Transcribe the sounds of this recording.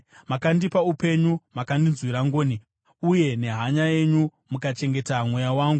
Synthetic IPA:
makandipaupe̞ɲumakandinzwiɾaŋɡoːni | uje̞ne̞ɦaɲaje̞ɲu | mukat͡ʃe̞ŋɡe̞tamwojawaːŋɡu

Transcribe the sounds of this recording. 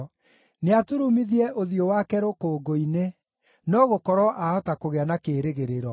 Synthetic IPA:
neatoɾumiðiɛʔoðiowakɛɾokoːɡoine | nɔɣokɔɾɔʔaɔtakoɣeanakeɾeɣeɾeɾɔ

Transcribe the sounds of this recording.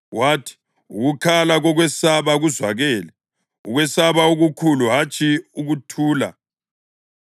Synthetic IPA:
waːtʰi̥ | uɣukʰalaɣɔɣwɛsaβaɣuzwaɣɛːlɛ | uɣwɛsaβauɣukʰuluɦat͡ʃʼʰiuɣutʰuːla̰

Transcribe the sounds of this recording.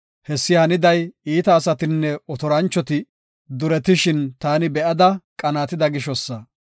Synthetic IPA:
hɛsːɪhɐnɪd̪ɐjiːt̪ɐːsɐt̪ɪnːɛɔt̪ɔɾɐnt͡ʃːɔt̪ɪ | d̪ʊɾɛt̪ɪʃɪnt̪aːnɪbɛʔɐd̪ɐkʼɐnaːt̪ɪd̪ɐɡɪʃɔsːɐ

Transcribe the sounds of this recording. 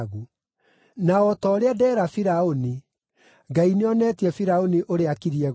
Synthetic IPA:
ɣu | naɔtɔːɾeadɛːɾafiɾaoni | ɡaineɔnɛtiɛfiɾaoniʔoɾeakiɾiɛ

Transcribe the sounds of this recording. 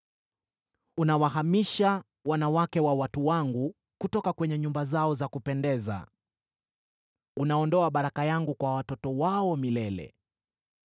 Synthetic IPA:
unawaɦamiʃa | wanawakɛwawatuwaŋɡu | kutɔkakwɛɲɛɲumbazaɔzakupɛndɛza̰ | unaɔndɔaɓaɾakajaŋɡukwawatɔtɔwaɔmilɛlɛ̰

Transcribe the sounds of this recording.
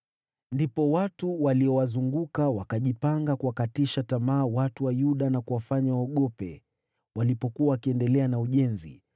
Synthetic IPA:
ndipɔwatuwaliɔwazuŋɡukawakaʄipaŋɡakuwakatiʃatamaːwatuwajuɗanakuwafaɲawaɔɠɔpɛ | walipɔkuawakiɛndɛlɛanauʄɛnzḭ

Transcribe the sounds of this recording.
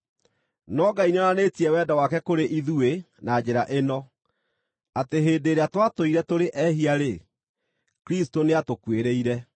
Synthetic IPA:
nɔɡainɔnanetiɛwɛːdawakɛkoɾeʔiðue | nad͡ʑeɾaʔenɔ | ateɦeːdeːɾeatwatoiɾɛtoɾeʔɛɦiaɾe | kɾistoneatokweɾeiɾɛ

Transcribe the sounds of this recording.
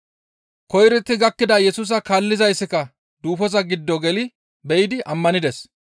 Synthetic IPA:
kɔjɾɪt̪ːɪɡɐkːɪd̪ɐjɛsuːs̬ɐkalːɪzɐjsːɪkɐ | d̪uːfɔzɐɡɪd̪ːɔɡɛlɪ | bɛjɪd̪ɪʔɐmːɐnɪd̪ɛs

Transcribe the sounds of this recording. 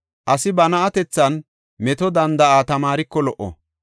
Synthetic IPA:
ʔɐsɪbɐnɐʔɐt̪ɛt͡sːɐn | mɛt̪ɔd̪ɐnd̪ɐʔaːt̪ɐmaːɾɪkːɔlɔʔɔ̰

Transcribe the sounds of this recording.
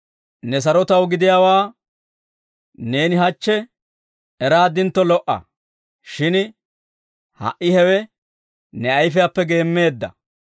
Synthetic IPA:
nɛs̬ɐɾɔt̪ɐwɡɪd̪ɪjaːwaː | ne̞ːnɪɦɐt͡ʃːɛ | ɛɾaːd̪ɪnt̪ːɔlɔʔɐ̰ | ʃɪn | hɐ̰ʔːɪhɛwɛ | nɛɐjfɪjapːɛɡe̞ːmːe̞ːd̪ːɐ̰

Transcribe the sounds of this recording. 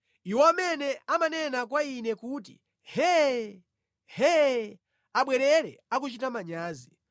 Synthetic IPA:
iwɔamɛnɛʔamanɛnak̬wainɛkuːt̬ḭ | hɛ | hɛ | aɓwɛɾɛɾɛ̰ak̬ut͡ʃitamaɲaːzi

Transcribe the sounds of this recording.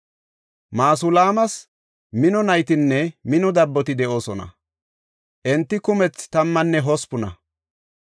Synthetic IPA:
maːsʊlaːmɐs | mɪnɔnɐjt̪ɪnːɛmɪnɔd̪ɐbːɔt̪ɪd̪ɛʔo̞ːsɔnɐ̰ | ʔɛnt̪ːɪkʊmɛt͡st̪ɐmːɐnːɛɦɔspʊnɐ̰

